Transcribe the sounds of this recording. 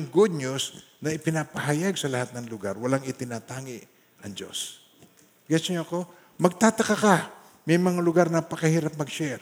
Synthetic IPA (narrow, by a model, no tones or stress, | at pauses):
ŋɡud̪̚ɲusnɐɪpɪnapɐɦajaɡ̚sɐlɐhat̪̚nɐŋlʊɡaɾwɐlaŋɪt̪ɪnaːt̪aːŋɪʔ | ʔɐŋd͡ʒo̞̰s | ɡasoɲoɐko̞ | mɐɡ̚t̪aːt̪ɐkaka | mɐjmɐŋalʊɡaɾnɐpɐkɐhiːɾap̚mɐɡʃɛɾ